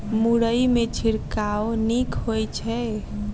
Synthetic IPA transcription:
muɽəjmet͡ʃʰiɾkawnikɦojt͡ʃʰɛ

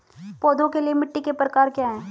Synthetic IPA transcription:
poːd̪õkelijemɪʈːikepɾəkaːɾkjaːɦɛː

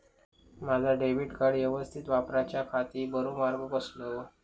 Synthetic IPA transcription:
mad͡zʱaɖeʋiʈkəɽjeʋəst̪ʰit̪ʋapɾat͡ɕjakʰat̪iːbəɾomaɾɡəkəslo

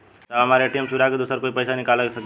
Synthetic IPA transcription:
t̪amaɾeʈimsuɾakd̪usəɾkoːipəjsanikaləksək

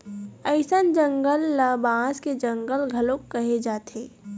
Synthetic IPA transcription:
əɪsənd͡ʒə̃ŋɡəlːɐbãːsked͡ʒɐ̃ŋɡəlɡʱɐlõkkɐɦed͡ʒaːt̪ɦeː

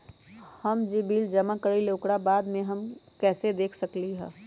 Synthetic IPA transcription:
həmd͡ʒibiːld͡ʒɐmakəɾileʊkɽabaːd̪mẽɦɐmkɛːsed̪eːkʰsɐkliɦɛ̰ː

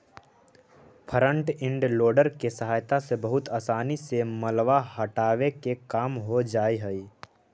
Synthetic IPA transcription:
pʰəɾə̃ɳʈɪ̃ɳɖloːɖəɾkesəɦaːjt̪asebəɦʊt̪aːsaːniseməlʋaɦəʈaːʋekekaːmɦod͡ʒaːiɦəi

